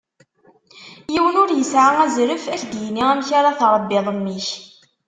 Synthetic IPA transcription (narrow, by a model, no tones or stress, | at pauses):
jiwənʊɾjəsʕaŋæzɾəfæçd̪jnːiʁæmçaɾaθɾˤəbːɪðˤəmːiç